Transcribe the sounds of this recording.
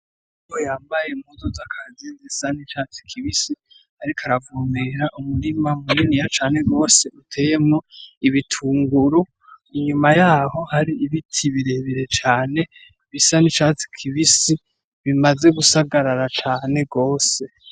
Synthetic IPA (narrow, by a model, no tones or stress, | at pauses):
ujojaːmbaje̞muzozakʰazinzisanit͡ʃat͡si̥kʰiβisi | aɾikʰaɾavumeɾaʔumuɾimamuninijat͡ʃaːne̞ɡo̞ːse̞ʔutʰe̞ːjemŋoiβitʰuːŋɡuɾu | iɲumajaːho̞haɾiːβitʰiβiɾe̞βiɾe̞t͡ʃaːne̞ | βisanit͡ʃaːt͡si̥kʰiβisi | βimaze̞ɡusaɡaɾaɾat͡ʃaːne̞ɡo̞ːse̞